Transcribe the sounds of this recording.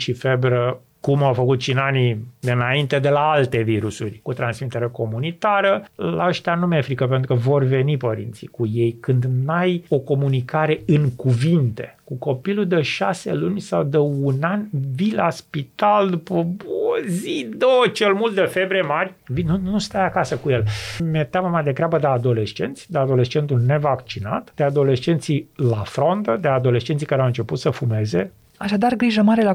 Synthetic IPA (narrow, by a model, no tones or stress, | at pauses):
ʃifebɾə | kumawfəkut̪ʃinanid̪ɨnaint̪e̞d̪e̞laalt̪e̞viɾusurʲkut̪ɾansmit̪eɾeko̞munit̪aɾəla̰əʃt̪eanumefɾikəpent̪ɾukəvo̞rve̞nipəɾḭnt̪sḭkuje̞jkɨnd̪najo̞ko̞munikaɾe̞ɨŋkuvint̪e̞̰kuko̞pilud̪eʃasḛlunʲsawd̪eunanvilaspit̪ald̪upəbozid̪ot͡ʃelmult̪d̪efe̞bɾijemarʲvinunust̪ajakasəkuje̞lmʲet̪jaməmajd̪e̞ɡɾabəd̪ead̪o̞le̞st͡ʃe̞̰nt̪sʲd̪ead̪o̞le̞st͡ʃe̞nt̪ulne̞vakt͡ʃina̰t̪d̪̥ead̪o̞le̞st͡ʃe̞nt̪silafɾo̞nt̪əd̪ead̪o̞le̞st͡ʃent̪sikaɾeawɨnt͡ʃe̞put̪səfume̞ze̞ | aʃad̪arɡɾiʒəmaɾe̞la